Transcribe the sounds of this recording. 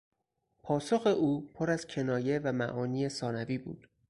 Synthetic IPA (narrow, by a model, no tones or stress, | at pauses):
pʰɒːsoxe̞ʔuːpʰoɾæz̥cʰe̞nɒːje̞væmæ̰ʔɒːniːesɒːnæviːbṵːd̪̥